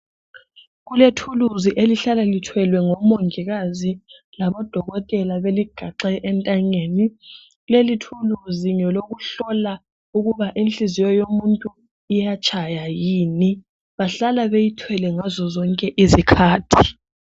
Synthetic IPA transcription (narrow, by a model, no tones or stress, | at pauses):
ɣuletʰuluziʔeliɬalalitʰwɛlwɛŋɔmoŋiɣazi | laβɔd̥ʱɔɣɔtʼɛlaβeliɡ̥ʱaǁɛʔːntʼaŋeːni | lelitʰuluziŋɛloɣuɬɔla | uɣuβaʔint͡ɬʼizijɔjomuntʼu | ijat͡ʃʰʼajajiːni | βaɬalaβejitʰwɛlɛŋazɔzɔŋkʼɛʔizikʰaːtʰi